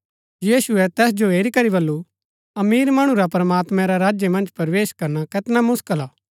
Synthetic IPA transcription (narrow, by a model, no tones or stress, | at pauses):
jiːsʊɛt̪ɛːsd͡ʒoeːɾikɐɾibɐlːu | ɐmiːɾmɐɽ̃ũɾapɾɐmaːt̪mɛ̃ɾaɾaːd͡ʒjemɐ̃nd͡ʒpɐɾʋeːʃkɐɾnakɐt̪namʊskəlaː